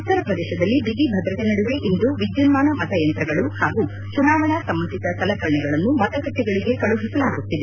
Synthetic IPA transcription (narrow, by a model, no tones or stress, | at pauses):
ut̪ɐɾɐpɾɐd̪ɛːʃɐd̪ɐlːibid̪ibʱɐd̪ɾɐt̪enɐɽuʋe̞ʔind̪uʋid͡ʒ̪jinmaːnɐmɐt̪ɐjɐnt̪ɾɐɡɐɭuhaːɡu | t͡ʃunaːʋɐɳɐsɐmːɐnsit̪ɐsɐlɐkɐɾɐɳɛɡɐɭɐnːumɐt̪ɐkɐʈ̪ːɛɡɐɭiɡe̞kɐɭuɦisɐlaːɡut̪ːid̪e